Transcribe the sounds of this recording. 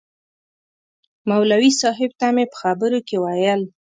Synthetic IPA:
mawlawisɑɦɪb̚t̪amepə̥xabəɾokewajəl

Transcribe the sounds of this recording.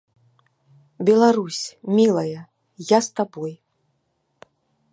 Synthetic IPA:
bʲɛlˠaɾusʲmʲilˠɐjɐ | jast̪abɔj

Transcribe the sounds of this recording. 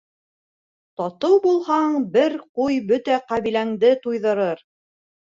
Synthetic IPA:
t̪ɑt̪ɤwbulˠhɑɴbɘɾqujbɵt̪æqæβilæŋd̪ɘt̪ujðɤ̆ɾɤɾ

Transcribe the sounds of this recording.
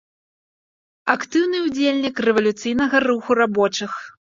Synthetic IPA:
akt̪ɨwnɨud͡zʲelʲnʲikrɛvɐlʲut̪sɨjnɐɣɐruxurabɔt͡ʂɨx

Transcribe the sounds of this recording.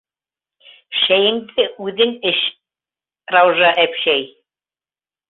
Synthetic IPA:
ʃæjɘ̆ŋd̪ɘʔʉðɘŋɘʃ | rɑwʒɑʔæpʃæj

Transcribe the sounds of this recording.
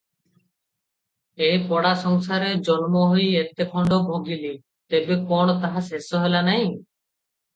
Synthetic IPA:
ejpɔɽasɔŋsaɾed͡ʒɔnmɔɦojet̪ekʰɔɳɖɔbʱoɡili | t̪ebekɔɳ̃ɔt̪aɦasesɔɦelanaɦĩ

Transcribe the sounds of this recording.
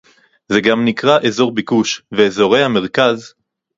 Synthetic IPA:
zeɡamnikʁaʔezo̞ʁbikuʃveːzo̞ʁe̞jhame̞ʁkaz

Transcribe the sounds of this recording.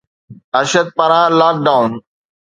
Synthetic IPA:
ɐʃəd̪̚paɾãːlaːk̚ɖaːun

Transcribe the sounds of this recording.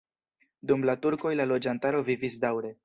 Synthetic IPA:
dumlatuɾko̞jlalo̞d͡ʒantaɾo̞vivisdawɾe̞

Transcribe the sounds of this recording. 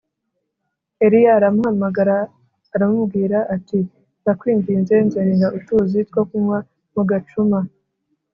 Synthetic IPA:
e̞ɾijaːɾamuhamaɡaɾaː | ɾamumbɡiːɾaʔati | ndakwiːŋɡiːnzenzeɾeŋɡaʔutuːzitkokumwa | muɡat͡ʃuma

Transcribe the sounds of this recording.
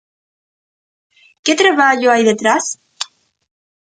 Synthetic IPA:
ket̪ɾeβaʎoajðet̪ɾas

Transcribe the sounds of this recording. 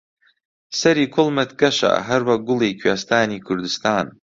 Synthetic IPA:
sɐɾikʷʰʊlmatʰɡaʃa̰ɦarwaɡʷʊlejkʲʰɥastʰaːnikʰʊrd̪ɨstʰaːn

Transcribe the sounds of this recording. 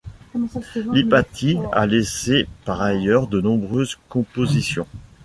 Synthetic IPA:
lipat̪ʰia̰lesepaʁajœʁd̪ənɔ̃bʁøzkɔ̃pozisjɔ̃

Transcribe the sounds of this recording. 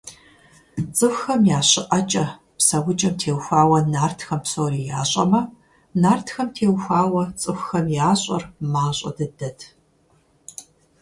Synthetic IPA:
t͡sʼɨxxɐmjaːɕɪʔɐt͡ʃʼɐ | psɐwʊt͡ʃʼɐmtʰeːwxʷaːwɐnaːrtʰxɐmpsoːriːjaːɕʼɐ̰mɐ | naːrtʰxɐmtʰeːwxʷaːwɐt͡sʼɨxʷxɐmjaːɕʼɐ̰rmaːɕʷʼɐ̰dɐdɐtʰ

